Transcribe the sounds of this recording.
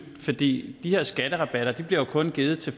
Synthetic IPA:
fɒ̽d̥ḭːd̥ihe̝ɐ̰sɡ̥æɾ̥əʁɑ̈b̥æɾ̥ɐd̥ib̥liɐjo̝kʰɔ̽nɡ̥iːð̩ˠt͡sʰe̝

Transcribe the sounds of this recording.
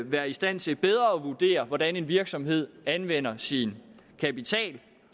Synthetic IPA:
ʋæːɐisd̥æn̰t͡sʰe̝b̥eð̞ˠʁɐɒʋuɐd̥e̝̰ːɐʋɒd̥æne̝nʋiɐɡ̥sɒ̽mhe̝ð̞̰ˠænʋen̰ɐsin | kʰæpit͡sʰɛ̰ːl

